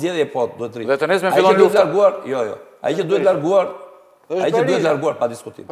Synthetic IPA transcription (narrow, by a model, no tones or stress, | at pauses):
zɛðjɛpɔt̪̚d̪uɛt̪ɾiðɛt̪ənɛsmɛalˠəut̪laɾɡuaɾjɔjɔ̰ | a̰icəd̪uɛt̪laɾɡuaɾ | aiəd̪uɛlaɾɡuaɾpad̪iskut̪ḭm